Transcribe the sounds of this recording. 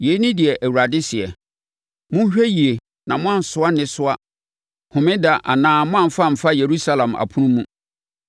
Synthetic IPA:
je˨˦nĩ˦dɪ˨ɛ˨ʔæ˨wu˨ɾa˨dɪ˦sɪ˨ɛ˨ | mʊ̃˦ɕᶣæ˦ji˨e˨ | nã˨mʊ̃˦ã˨n˨sʊ˨˦a˦nɪ̃˦sʊ˦a˦ | hʊ̃˨mɪ̃˦da˨ʔa˨nãː˦mʊ̃˦ã˦˨m̩˨fa˦˨m̩˨fa˦je˨ɾu˦sa˦lã˨ma̰˨pʰʊ̃˦nũ˦mũ˦

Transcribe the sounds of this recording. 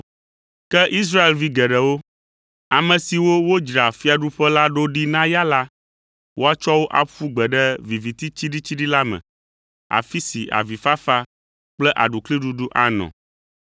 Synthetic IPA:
kɛ˦ʔi˦s̬ɾa˦e˨lvi˦ɡɛ˨ɖɛ˨wo˦ | a˨mɛ̃˨si˨wo˦wo˦d͡ʒɾa˨fi˦a˨ɖu˦ɸɛ˦la˦ɖo˦ɖi˦nã˦ja˦la˦ | wʔo˦a˦t͡ʃɔ˦wo˦ʔa̰˨ɸu˦ɡ͡bɛ˨ɖɛ˦vi˨vi˨t̪i˦t͡ɕi˦ɖi˦t͡ɕi˦ɖi˦la˦mɛ̰̃˨ | a̰˨fi˦si˨ʔa̰˨vi˨fa˦fa˦ | k͡plɛ˦ʔa̰˨ɖu˨kli˦ɖu˦ɖu˦ʔa˦nɔ̰̃˨

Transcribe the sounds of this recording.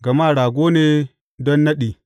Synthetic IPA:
ɡɐ˨ma˦˨ɾaː˨ɡʷo˦neː˦ | dɔ˦nːɐ˦ɗi˨

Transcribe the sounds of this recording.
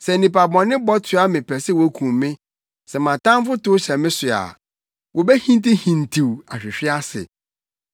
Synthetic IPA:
sɛ˨nĩ˨pa˨bɔ̃˨nːɪ̃˦bɔ˦tʰʊ˨˦a˦mɪ̃˨pʰɛ˨sɛ˦wɔ˨˦kʰũ˨mːɪ̃˦ | sɛ˨mã˨tã˦m˦fʊ˦tʊ˦ɕɛ̃˨mɪ̃˦sʊ˨a̰˨ | wɔ˨bɛ˦hĩ˦n˦tɪ˦hĩ˨n˨tʰi˨wa˨ɕᶣɪ˨ɕᶣɪ˦a˦sɪ̰˨

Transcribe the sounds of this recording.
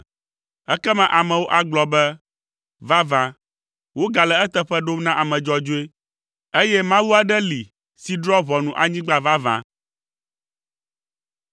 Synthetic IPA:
ɛ˦kɛ˦mã˨ʔa˨mɛ̃˨wo˦ʔa˨ɡ͡blɔ˨bɛ˦ | va˦vã˦ | wo˦ɡa˨lɛ˨ɛ˦t̪ɛ˦ɸɛ˦ɖo˦mnã˦ʔa˨mɛ̃˨d͡ʒɔ˦d͡ʒo˦e˦ | e˦jɛ˦mã˦wu˦a˨ɖɛ˦li˨ | si˨ɖɾɔ˦βɔ˨nũ˨ʔa˨ɲĩ˦ɡ͡ba˦va˦vã̰˦

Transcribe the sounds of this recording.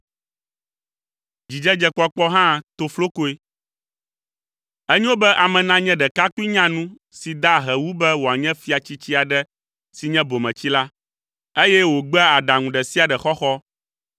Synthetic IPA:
d͡ʑi˨d͡ʒɛ˦d͡ʒɛ˦k͡pɔ˦k͡pɔ˦ɦã˦t̪o˨flo˦ko˦e˦ | ɛ˦ɲɛ̃˦wo˦bɛ˦ʔa˨mɛ̃˨nã˦ɲɛ̃˦ɖɛ˨ka˦ki˦ɲã˦nũ˦ | si˨d̪a˦ɦɛ˨wu˦bɛ˦wo˨a˨ɲɛ̃˦fi˦a˨t͡ɕi˦t͡ɕi˦a˨ɖɛ˦ | si˨ɲɛ̃˦bo˨mɛ̃˨t͡ɕi˦la˦ | e˦jɛ˦wo˨ɡ͡bɛ˦a˨ɖa˨ŋũ˨ɖɛ˨si˦a˨ɖɛ˨xɔ˦xɔ˦

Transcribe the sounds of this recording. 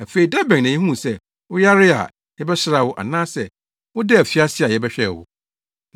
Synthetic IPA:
æ˨fe˨i˨da˦bɛ̃˨n˨nã˨ji˦ɦũ˦˨sɛ˦ | wʊ˦ja˦ɾɪ˦a̰˨ | jɛ˦bɛ˦ɕɪ˦ɾa˨wʊ˦ʔa̰˨nãː˦sɛ˨ | wʊ˦dɛ˦æ˨fi˦a˦sɪ˦a˨jɛ˦bɛ˦ɕᶣɛ˨wʊ̰˨

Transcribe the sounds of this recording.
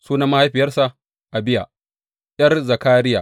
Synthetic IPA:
suː˦na˦ma˦ha˦jɸɪ˨jɐ˦rsa˨ʔ | ʔa˨bɪ˦ja˨ | jɐ˦rzɐ˨kaː˦ɾɪ˦jaː˨

